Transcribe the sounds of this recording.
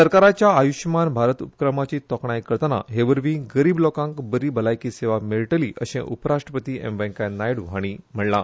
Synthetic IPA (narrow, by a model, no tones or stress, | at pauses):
səɾkaɾat͡ɕjaːjuɕmanbʱaɾət̪upə̥kɾəmat͡ɕiːt̪ɔkɳajkəɾt̪əna̰ɦeʋəɾʋĩːɡəɾiːblɔkãŋkbəɾiːbəlajkiːseʋameɭʈəliːʔəɕḛ̃ʔupəɾaʂʈɾəpət̪iːʔḛmʋɛŋkajnajɽʋɦaɽ̃im̤əɽla